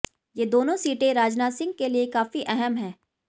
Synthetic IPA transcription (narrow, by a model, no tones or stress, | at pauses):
jeːd̪oːnõsiːʈẽɾaːd͡ʒnaːsɪ̃ŋɡ̚keliekaːfiʔɛɦɛmɦɛ̃ː